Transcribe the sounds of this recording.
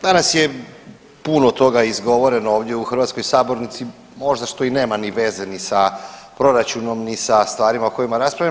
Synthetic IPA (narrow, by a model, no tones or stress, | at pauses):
d̪anasje | punot̪o̞ɡaizɡo̞ʋo̞ɾe̞nooːʋd̪je̞uxɾʋat̪skojsaːbo̞ɾnit̪si | mo̞ʒd̪aʃt̪o̞ine̞ːmaniʋe̞ze̞nisapɾo̞ɾat͡ʃuno̞mnisast̪ʋaːɾimaoko̞imaɾaspɾaʋʎa